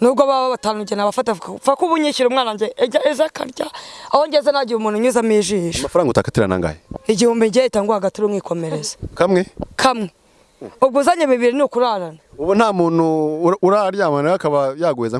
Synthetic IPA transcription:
nuːbɡaβaβaβataːnuɟenaβafatafakuβuɲiʃiɾumŋaːnaɲɟeːɟaezakʰa̰ɾɟaahoɲɟezanaɟiɾumuːnhuɲuzamiʒiːʃemafaɾaːŋɡutakatiɾa̰na̰ŋɡa̰jeiɟihuːmbiɲɟiaitaːŋɡuaɡatiɾoŋiːko̞me̞ɾezḁkamŋekʰamŋe | oβɡuːzaɲeβiβiɾiniukuɾaɾanauβun̥haːmuːnuuɾaɾjaːmanaakaβajaːɡweːza

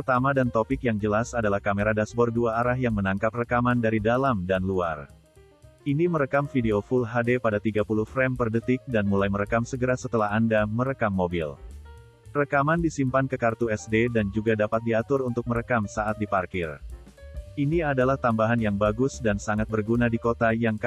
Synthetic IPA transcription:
ppərt̪amadant̪opɪkjaŋd͡ʒəlasadalahkameɾadasbɔrduaːɾaɦjaŋmənaŋkap̚rəkamandaɾidalamdanlua̰r | ʔiniməɾəkamfideofulɦadepadat̪iɡapuluhfɾɛmpərdət̪ɪk̚danmulajməɾəkamsəɡəɾasət̪əlaɦandaməɾəkamːobḭl | rəkamandisimpankəkart̪uɛsdedand͡ʒuɡadapat̪̚diat̪ʊrunt̪ʊk̚məɾəkamsaʔat̪̚diparkɪr | ʔiniadalaht̪ambaɦanjaŋbaɡʊsdansaŋat̪̚bərɡunadikot̪ajaŋ

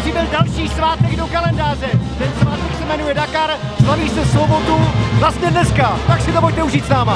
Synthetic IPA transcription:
ribɪldalʃiːsvaːt̪ɛɡdokalɛndaːr̝ɛt̪ɛnsvaːt̪ɛksɛmɛnujɛdakaɾ | slaviːsɛsvobot̪uvlast̪ɲɛdnɛskat̪aksɪt̪oboc̚t̪ɛuʒiːt̪snaːma

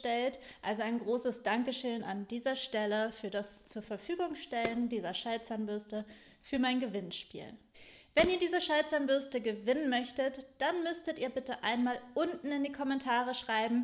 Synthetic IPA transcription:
tɛlt | ʔalzoaɪnɡʁoːsəsd̥aŋkəʃøːnʔandiːzɐʃtɛləfyːɐdast͡suːɐfɛɐfyːɡʊŋʃtɛləndiːzɐʃalt͡sanbʏɐstə | fyːɐmaɪnɡəvɪnʃpḭːl | vɛniːɐdiːzəʃalt͡sanbʏɐstəɡəvɪnənmœçtətd̥anmʏstətʔiːɐbɪtəʔaɪnmaːlʔʊntn̩ɪndiːkʰɔmɛntʰaːʁəʃʁ̥aɪbm̩

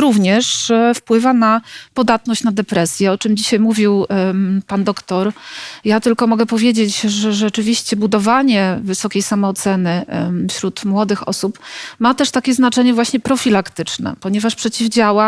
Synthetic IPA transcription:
ɾuvɲɛʂfpwɘvanapɔd̪at̪nɔɕt͡ɕnad̪ɛpɾɛsʲjɛɔt͡ʂɘmd͡ʑiɕajmuvʲiwpand̪ɔkt̪ɔɾjat̪ɘlkɔmɔɡɛpɔvʲjed͡ʑet͡ɕʐɛʐɛt͡ʂɘvʲiɕt͡ɕɛbud̪ɔvaɲɛvɘsɔkʲejsamɔːt̪sɛnɘfɕɾut̪mwɔd̪ɘxɔ̰supmat̪ɛʂt̪akʲɛznat͡ʂɛɲɛvwaɕɲɛpɾɔfʲilakt̪ɘt͡ʂnɛ̰pɔɲɛvaʂpʂɛt͡ɕivd͡ʑawa

